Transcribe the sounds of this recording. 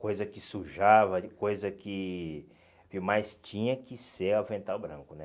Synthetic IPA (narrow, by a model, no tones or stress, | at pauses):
kojzɐkɪsuʒavɐkojzɐkɪ | viwmajst͡ʃĩɲɐkɪseɾavẽnt̪awbɾɐ̃ŋkʊnɛ